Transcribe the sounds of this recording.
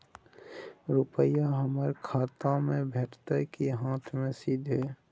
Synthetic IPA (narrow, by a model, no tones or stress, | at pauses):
ɾʊpəjaɦəməɾkʰaːt̪ãmẽbʱeːʈʰt̪əɾkiɦãːt̪ʰmẽsiːd̪ʱɦɛː